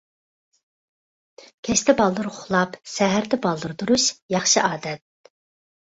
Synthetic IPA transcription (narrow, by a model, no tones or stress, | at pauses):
kʲʰɛʃt̪ɛbɑlˠd̪ɨɾʁʰʊχlˠɑpsɛɦæɾd̪ɛbɑlˠd̪ɨɾd̪uɾuʃjɑχʃɨʔɑːd̪ɛt̪̚